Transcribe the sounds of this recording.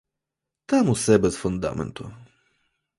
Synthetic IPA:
t̪amusɛbɛsfund̪a̰mɛ̰nt̪ṵ

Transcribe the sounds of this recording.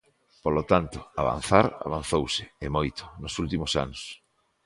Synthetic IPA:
polot̪ant̪ʊa̰βa̰n̟θaɾa̰βan̟θowsɪɪmojt̪o̥nʊsult̪imʊsa̰nʊs

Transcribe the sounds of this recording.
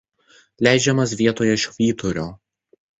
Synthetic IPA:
lʲæˑɪd͡ʒʲɛmɐsʋʲiɛt̪oːjɛɪʃʋʲiːt̪ɔɾʲoː

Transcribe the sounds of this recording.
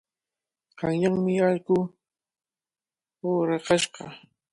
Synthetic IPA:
qɑŋjaŋmɪaʎkʊ | oːɾɑqɑʃɢɑ̰

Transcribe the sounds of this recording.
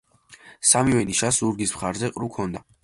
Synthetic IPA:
samivɛniʃasuɾɡismχaɾzɛqʼɾukʰɔnd̪a

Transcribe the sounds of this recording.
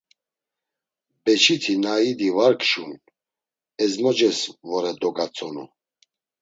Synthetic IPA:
bɛt͡ʃʰit̪ʰinaid̪ivaɾkʰʼʃun | ɛzmɔd͡ʒɛsvɔɾɛd̪ɔɡat͡sʼɔnṵ

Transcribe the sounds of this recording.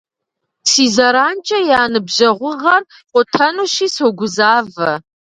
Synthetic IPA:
siːzɐɾaːnt͡ʃʼɐjaːnɨbʒɐʁʷʊʁɐr | qʷʼʊtʰɐnuʃiːsoɡʷʊzaːvɐ

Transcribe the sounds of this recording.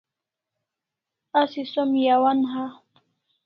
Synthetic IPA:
asɪsʊmjawanɦɑ

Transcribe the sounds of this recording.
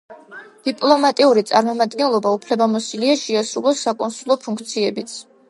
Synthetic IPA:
d̪̥ipʼlˠɔmat̪ʼiuɾit̪sʼaɾmɔmad̪ɡɛnlˠɔbaupʰlɛbamɔsiliaʃɛasɾulˠɔsːakʼɔnsulˠɔpʰuŋk̚ʰt̪sʰiɛbit̪sʰ

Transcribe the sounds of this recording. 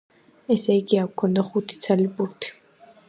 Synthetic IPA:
ɛsɛiɡiakkʰɔnd̪aχut̪ʰi̥t̪sʰalibuɾt̪ʰi̥

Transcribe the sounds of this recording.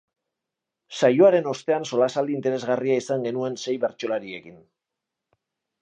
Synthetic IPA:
sajo̞aɾe̞no̞st̪e̞anso̞lasald̪iːnt̪e̞ɾe̞zɣariaisaŋɡe̞nue̞nse̞jβe̞ɾt͡ʃo̞laɾie̞kin

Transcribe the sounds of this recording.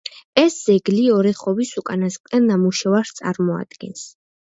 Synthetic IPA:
ɛsz̥ɛɡliɔɾɛχɔbisukʼanasq̪ʼɛnamuʃɛvaɾst̪sʼa̰ɾmɔa̰d̪̥ɡ̥ɛ̰ns

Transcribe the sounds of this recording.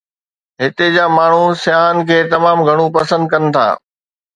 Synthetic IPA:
ɦɪt̪ed͡ʑaːmaːɳ̤usjaːɦənɪ̆kʰeːt̪ɐmaːmɡʱɐɽ̃ũpɐsə̃nd̪̚kɐnɪ̆t̪ʰa̰ː

